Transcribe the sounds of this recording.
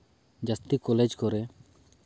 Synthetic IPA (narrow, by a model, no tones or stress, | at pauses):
d͡ʒəst̪ikɔled͡ʒkɔɾɛ